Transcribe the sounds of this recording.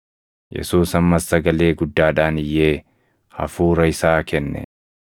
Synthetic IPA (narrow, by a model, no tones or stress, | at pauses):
jʔɛ̰suːsɐmːɐsːɐɡɐle̞ːɡʊd̪ːaːᶑaːnɪjːe̞ː | hɐ̰fuːɾɐɪsaːkɛnːɛ̰